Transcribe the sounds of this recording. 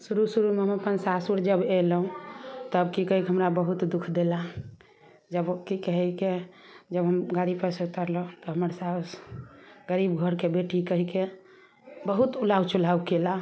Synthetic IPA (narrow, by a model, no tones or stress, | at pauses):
suɾusuɾumeɦəməpənsasuɽd͡ʒəbelɦũt̪əbkikəɦikeɦəmɾabəɦut̪d̪ukʰd̪ela | d͡ʒəbkikəɦɛke | d͡ʒəbɦəmɡaɽipəɾsət̪əɾlũt̪ɔɦəməɾsas | ɡəɾibɡʱəɾkebeʈikəɦike | bəɦut̪ulawt͡ʃulawkela